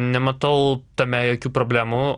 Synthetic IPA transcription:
nʲɛmɐt̪ɐʊt̪ɐmʲɛjoːkʲuːpɾoːbʲlʲæːmu

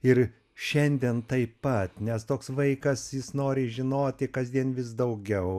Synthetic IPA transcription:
ɪr | ʃʲɛnʲd̪ʲiɛnt̪ɐɪppɐt̪nʲɛst̪oːksʋɐɪkɐsjɪsnoːɾʲɪʒʲɪnoːt̪ʲɪkɐzʲd̪ʲiɛnʋʲɪs̬d̪ɐʊɡʲɛʊ

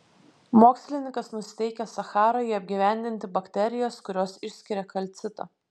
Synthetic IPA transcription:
moːksʲlʲɪnʲɪŋkɐsnʊsʲɪ̥t̪ʲɛɪkʲɛsɐxɑːɾoiɐbʲɡʲiʋʲæˑnʲd̪ʲɪnʲt̪ʲɪbɐkʲt̪ʲɛɾʲɪjoːskʊɾʲoːsɪʃʲsʲkʲɪɾʲɛkɐlʲt̪sʲɪt̪ɐ̰ː

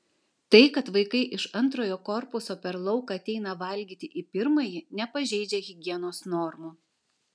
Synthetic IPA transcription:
t̪ɐɪkɐt̪ʋɐɪkɐɪʔɪʃɐnˑt̪ɾoːjoːkɔɾpʊsoːpʲɛɾlˠɒʊkɑːɐt̪ʲɛɪnɐʋɐlʲɡʲiːt̪ʲɪʔipʲɪɾmɐjɪnʲɛpɐʒʲɛɪd͡ʒʲɛɣʲɪɡʲiɛnoːsnɔɾmu

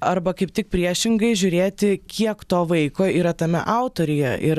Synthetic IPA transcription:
ɐɾbɐkɐɪp̚t̪ʲɪk̚pʲɾʲiɛʃʲɪŋɡɐɪʒʲʊːɾʲeːt̪ʲɪkʲʰiɛkt̪oːʋɐɪkoːiːɾɐt̪ɐmʲɛ̰ʔɑʊt̪oːɾʲɪjɛʔɪɾ

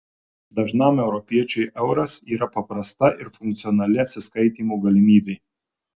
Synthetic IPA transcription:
d̪ɐʒnɑˑmɛʊɾɔpʲiɛt͡ʃʲɛɪʔɛʊɾɐsiːɾɐpɐpɾɐst̪ɐʔɪɾfʊŋk̚t̪sʲɪɔnɐlʲɪɐt̪ʲsʲɪskɐɪt̪ʲiːmuːɡɐlʲɪmʲiːbʲɛɪ

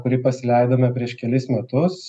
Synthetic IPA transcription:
kʊɾʲɪpɐsʲɪlʲɛɪd̪oːmʲɛpʲɾʲiɛʃkʲɛlʲɪsmʲɛt̪ʊs

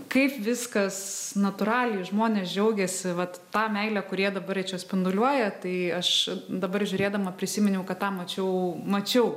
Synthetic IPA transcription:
kɐɪpʋʲɪskɐsnɐt̪ʊɾɑːlʲɛɪʒmoːnʲeːsd͡ʒʲɛʊɡʲɛsʲɪʋɐt̪ːɑːmʲɛɪlʲækʊɾʲiɛd̪ɐbɐrʲɛɪt͡ʃʲoːsʲpʲɪnd̪ʊlʲuɔjɛt̪ɐɪɐʃd̪ɐbɐrʒʲʊɾʲeːd̪ɐmɐpʲɾʲɪsʲɪmʲɪnʲɛʊkɐttːɑːmɐt͡ʃʲɛʊmɐt͡ʃʲɛʊ

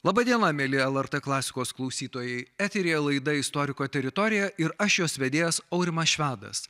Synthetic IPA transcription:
lˠɑːbɐːd̪ʲiɛnɐmʲeːlʲɪɛlˠɛɾt̪ɛklˠɑːsʲɪ̥koːsklˠɐʊsʲiːt̪oːjɛɪæːt̪ʲɛɾʲijɛlˠɐɪd̪ɐɪst̪ɔɾʲɪkoːt̪ʲɛɾʲɪt̪ɔːɾʲɪjɛɪɾɐʃjoːsʋʲɛd̪ʲeːjɛsɒʊɾʲɪmɐsʃʲʋʲæːd̪ɐ̰s

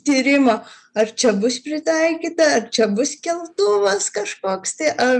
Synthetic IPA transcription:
t̪ʲiːɾʲɪmɐ | ɐrt͡ʃʲɛbʊspʲɾʲɪt̪ɐɪkʲiːt̪ɐɐrt͡ʃʲɛbʊsʲkʲɛlˠt̪ʊʋɐskɐʃkoːkst̪ɐɪʔɐ

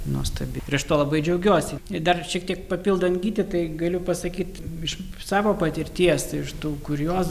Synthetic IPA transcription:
nuɔst̪ɐbʲɪɪɾɐʃt̪oːlˠɐbɐɪd͡ʒʲɛʊɡʲuɔsʲɪd̪ɐrʃʲiɛk̚t̪ʲiɛk̚pɐpʲiːlˠd̪ɐnɡʲiːt̪ʲɪt̪ɐɪɡɐlʲʊpɐsɐkʲiːt̪ɪʃsɑːʋoːpɐt̪ʲɪɾʲt̪ʲiɛsɪʃt̪uːkʊɾʲjoːs

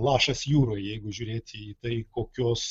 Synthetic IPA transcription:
lˠɑːʃɐsjuːɾoːjjɛɪɡʊʒʲuːɾʲeːt̪ʲɪit̪ɐɪkoːkʲoːs

